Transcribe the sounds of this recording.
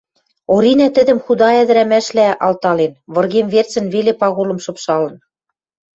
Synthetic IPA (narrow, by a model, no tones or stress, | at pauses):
oɾinæt̪ɘ̆d̪ɘ̆mxud̪ɑæðɘ̆ɾæmæʃlæʔɑlt̪ɑlenβɤ̆rɣemvert͡sɘ̆nβelepɑɣolɤ̆mʃɤ̆pʃɑlɤ̆n